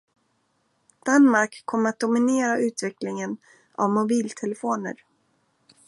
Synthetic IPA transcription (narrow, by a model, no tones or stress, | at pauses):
d̪̥anmaɾkʰːɔmːəɾat̪̚d̪ʊmɪneːɾaʉ̟ːt̪vɛklɪŋən | a̰vmʊbiːlt̪ʰɛlɛfoːnə̰ɾ